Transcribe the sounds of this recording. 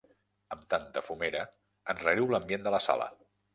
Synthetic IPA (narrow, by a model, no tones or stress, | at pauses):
əmt̪ant̪əfumeɾə | ənrəɾiwləmbjend̪ələsa̰lə̰